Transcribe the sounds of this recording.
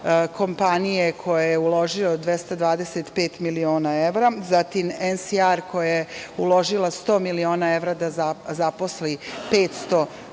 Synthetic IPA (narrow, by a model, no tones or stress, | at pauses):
kʰo̞mpanije̞kʰo̞jajeulˠo̞ʒiod̪ʋjest̪ad̪ʋaːd̪eset̪pe̞ːt̪milio̞ːnae̞ʋɾazat̪imensiaɾkʰo̞jajeulˠo̞ʒilˠast̪o̞ːmilio̞ːnae̞ʋɾad̪aazapo̞slipeːt̪st̪o̞